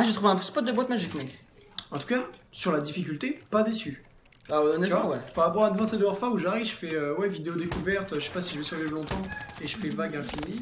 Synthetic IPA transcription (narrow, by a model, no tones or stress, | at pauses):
aʒət̪χuvɛ̃pspɔt̪̚d̪əbwat̪maʒikmɛɡ | ɑ̃t̪u̥kasyʁlad̪ifikʲylt̪epad̪esy | baɔnɛmɑ̃wɛpaʁapɔʁad̪əvɑ̃sed̪əɛʁfauʒaʁiʒəfɛøwɛvid̪eod̪ekuvɛʁt̪øʒəʃe̥pasiʒəvɛsyʁvivlɔ̃t̪ɑ̃eʒəfɛvaɡɛ̃fimi